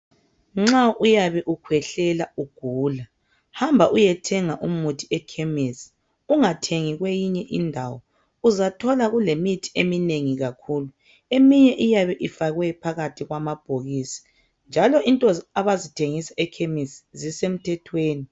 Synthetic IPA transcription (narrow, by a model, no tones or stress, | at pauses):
ŋ͡ǁaʔujaβɛʔukʰwɛɬɛlauɡ̥ʱuːla | hambʱaʔujɛtʰɛŋaʔumutʰi̥ɛkʰemisi̥ | uŋatʰeŋiɣwejiɲɛʔindʱawɔ | uzatʰɔlaɣulemitʰi̥emineŋiɣakʰuːlu | emiɲɛʔijaβɛʔifaɣwɛpʰaɣatʰiɣwamab̥ʱoɣisi̥ | nd͡ʒʱalɔʔintʼɔaβazitʰeŋisḁɛkʰemiszisem̩tʰɛtʰweːni